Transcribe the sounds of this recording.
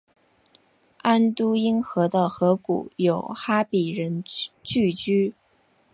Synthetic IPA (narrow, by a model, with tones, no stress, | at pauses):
a˥nt̪u˥i˥nxɤ˧˥d̪ə˧xɤ˧˥kṵ˨˩˦jo˨˩ʊxa˥pi˨˩ɻə˧˥nt͡ɕy˥˩t͡ɕy˥